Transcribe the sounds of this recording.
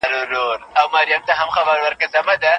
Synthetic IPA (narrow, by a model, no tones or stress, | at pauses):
ɾoɾoɾawmaɾjamt̪aɦamxabaɾwəɾkazamad̪a